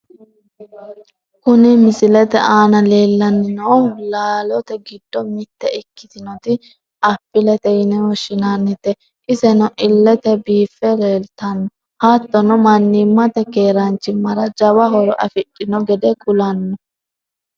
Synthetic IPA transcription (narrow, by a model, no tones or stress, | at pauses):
kʊnɪmɪsɪlɛt̪ɛʔaːnɐleːlːɐnːɪnɔwlaːlɔt̪ɛɡɪd̪ːɔmɪt̪ːɛɪkːɪ̥t̪ɪnɔt̪ɪ | ʔɐpːɪlɛt̪ɛjɪnɛwɔʃɪnanːɪt̪ɛ | ʔɪsɛnɔʔɪlːɛt̪ɛbiːfːɛɾeːlt̪ɐnːɔ | hɐt̪ːɔnɔmɐnːɪmːɐt̪ɛkeːɾɐnt͡ʃːɪmɐɾɐd͡ʒɐwɐɦɔɾɔʔɐfɪɗʼːɪnɔɡɛd̪ɛkʼʊlɐnːɔ